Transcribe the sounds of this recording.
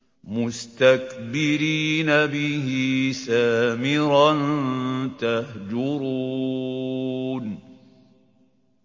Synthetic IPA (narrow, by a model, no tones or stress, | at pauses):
mʊst̪akbɪɾiːnabɪhɪisaːmɪɾant̪ahd͡ʒʊɾu | n